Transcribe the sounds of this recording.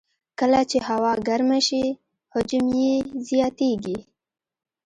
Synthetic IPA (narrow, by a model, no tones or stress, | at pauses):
kəlat͡ʃehawɑɡaɾmaʃi | hʊd͡ʒʊmjezijɑt̪eɡi